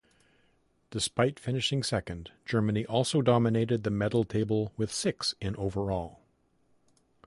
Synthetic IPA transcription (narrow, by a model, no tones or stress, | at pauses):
d̥ɨspaɪtfɪ̃nɨʃɪ̃ŋsɛkɨ̃nd͡ʒ̥ɜ˞mɨniʔɔlˠsoʊdɑmɨneɪɾɨd̪̚ðɨmɛɾl̩ˠtʰeɪbl̩ˠwɨð̥sɪksɨ̃nʔoʊvə˞ɔlˠ